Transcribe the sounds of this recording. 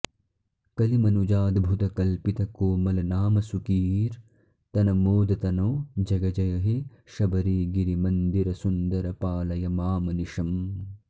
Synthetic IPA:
kɐlimɐnud͡ʒaːd̪bʱut̪ɐkɐlpit̪ɐkoːmɐlɐnaːmɐsukiːɾ | t̪ɐnɐmoːd̪ɐt̪ɐnoːd͡ʒɐɡɐd͡ʒɐjɐɦe | ʃɐbɐɾiːɡiɾimɐnd̪iɾɐsund̪ɐɾɐpaːlɐjɐmaːmɐniʃɐm

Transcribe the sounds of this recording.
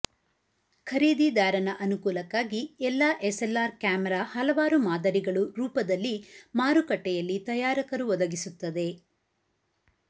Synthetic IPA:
kʰɐɾiːd̪id̪aːɾɐnɐʔɐnukuːlɐkaːɡiɛlːaːʔeselːaːɾkjaːmɛɾaːhɐlɐʋaːɾumaːd̪ɐɾiɡɐɭuɾuːpɐd̪ɐlːimaːɾukɐʈːɛjɐlːit̪ɐjaːɾɐkɐɾuʋɔd̪ɐɡisut̪ːɐd̪e̞

